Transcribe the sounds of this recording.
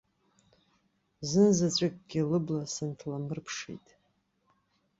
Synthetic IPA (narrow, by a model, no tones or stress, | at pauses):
zɨnzat͡ɕʷʼɪkʼɡ̥ʲɪlɨblasɨntʰlamɨrpʰʂḛjtʼ